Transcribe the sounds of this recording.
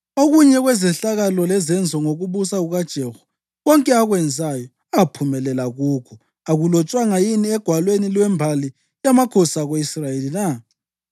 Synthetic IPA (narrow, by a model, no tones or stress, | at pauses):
oɣuɲɛɣwɛzɛɬaɣalɔlɛzɛnd͡zʱɔŋoɣuβusaɣuɣad̥ʒ̥ʱehu̥ | ɣɔŋkʼɛaɣwɛnd͡zʱajɔ | apʰumɛlɛlaɣuːkʰɔ | aɣulɔt͡ʃʼwaŋajiniɛɡ̥ʱwalwenilwɛmbʱali | jamakʰɔsaɣweisrajelina